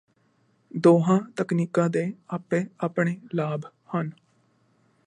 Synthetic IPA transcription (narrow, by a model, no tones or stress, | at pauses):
d̪oːɦãːt̪əkniːkãːd̪eːaːpẽːaːpɳeːlaːb | hən